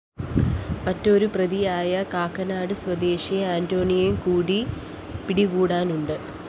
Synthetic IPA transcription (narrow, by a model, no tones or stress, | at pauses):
mɐtːo̞ɾuprɐðijaːjɐkaːkːɐnaːɽɨswɐd̪e̞ːɕiaːndo̞ːɳijejmkuːɽi | piɽiɣuːɽaːnuɳɖɨ